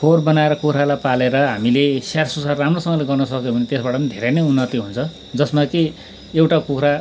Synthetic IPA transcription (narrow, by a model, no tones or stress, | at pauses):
pʰorbʌnaeɾʌkukʰɾalapaleɾʌɦamilesarsusarːamrosʌŋʌleɡʌrnʌsʌkjobʱʌnet̪esbaʈʌʌnid̪ʱeɾenʌjunːʌt̪iɦunt͡sʰʌ | d͡zʌsmaki | ewʈakukɾa